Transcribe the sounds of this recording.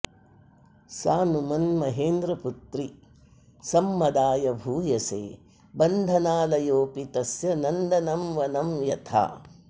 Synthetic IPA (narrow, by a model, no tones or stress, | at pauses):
saːnumɐnmɐɦeːnd̪ɾɐput̪ɾi | sɐmːɐd̪aːjɐbʱuːjɐsḛː | bɐnd̪ʱɐnaːlɐjoːpit̪ɐsjɐnɐnd̪ɐnɐmʋɐnɐmjɐt̪ʰa̰ː